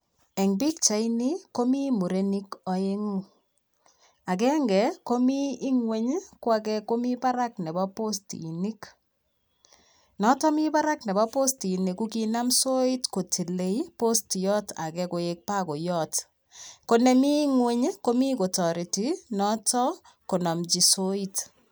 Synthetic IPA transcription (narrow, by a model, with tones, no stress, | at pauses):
ɛ˨ŋbi˦k̚t͡ʃa˨ini˦ko˦mi˦mu˨ɾe˦ni˦kɔ˨je˦ŋu˦ | a˨kɛ˦ŋɡɛ˨ko˦miː˦ŋwe˦ɲ˦kwa˦k̬ɛ˦ko˦mi˦pa˦ɾa˦k̚nɛ˨ba˦po˦stḭ˨ni˦k | nɔ˦tɔ˦mi˦pa˦ɾa˦knɛ˨ba˦po˦sti˨ni˨ku˦ki˦na˦mso˦i˦tko˨tʰi˨le˨i˦po˦stjɔ˦ta̰˨kɛ˦ko˨e˦k̚pa˦ko˨jɔ˦t | ko˦nɛ˦mi˦ŋwe˦ɲ˦ko˦mi˦ko˨tɔ˨ɾi˨ti˨nɔ˦tɔ˦ | ko˨nɔ˨md͡ʒi˨so˦i˦t